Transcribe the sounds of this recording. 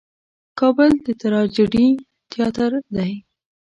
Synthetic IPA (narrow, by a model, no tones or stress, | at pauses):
kɑbəld̪ət̪aɾɑd͡ʒɪɖi | t̪jɑt̪aɾd̪aj